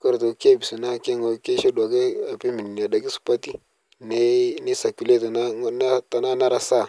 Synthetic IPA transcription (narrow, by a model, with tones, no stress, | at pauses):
ka˦ɾto˨ke˦˨bi˨si˨na˦ke˦ŋo˨˦ke˦ʃe˦da˨ke˦a˨pi˦mi˨ni˨n˨a˨da˨ki˦su̥˨pa˦ti˦ | ne˦ni˦sa˨ku˨le˦tna˦na˦ta˨na˦na˦ɾa˦sa˦˨